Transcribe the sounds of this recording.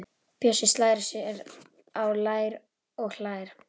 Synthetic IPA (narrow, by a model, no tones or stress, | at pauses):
pjœsɪst̪laːjɾasɪɛɾ | awlaːjɾ | ɔɣl̥aːjɾ̥